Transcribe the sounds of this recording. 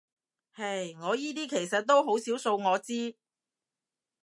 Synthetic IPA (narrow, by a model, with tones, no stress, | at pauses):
hɐ˨jŋɔː˨˧jiː˥t̪̬iː˥kʰe˨˩jsɐ˨t̚t̪o˥wɦo˨˥wsiː˨˥wso˧wŋɔː˨˧t͡siː˥